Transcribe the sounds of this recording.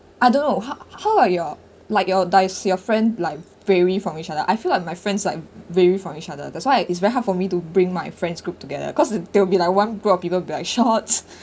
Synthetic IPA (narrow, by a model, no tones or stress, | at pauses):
ʔaɪdõnːoɦahaʊajɔ | laɪkjɔdaɪsjɔfɹɛ̃ndlaɪk̚ | vɛɹifɹɔ̃mit͡ʃadəʔaɪfilaɪk̚maɪfɹɛ̃ndslaɪk̚vɛɹifɹɔ̃mit͡ʃadə̰dɛtswaɪɪtsvɛɹiɦadfɔmitubɹĩŋmaɪfɹɛ̃nsɡɹup̚tuɡɛdə̰kɔsdewbilaɪkwãnɡɹupɔfpipəwbilaɪkʃɔt